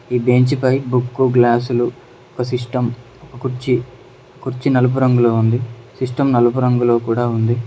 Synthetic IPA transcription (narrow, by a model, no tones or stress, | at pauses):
iːbe̞ːɲt͡ʃipɐjbukːuɡlaːsulu | ɔkɐsiʂʈɐm | ɔkɐkuɾt͡ʃi | kuɾt͡ʃinɐlup̬uɾɐŋɡuloːund̪isiʂʈɐmnɐlup̬uɾɐŋɡulo̞ːkuːɽaːund̪i